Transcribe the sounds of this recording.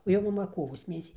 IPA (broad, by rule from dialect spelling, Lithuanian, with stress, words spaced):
oː ˈjoː mɐˈmɐ ˈkoːʋoːs ˈmʲeːnʲɛsʲiː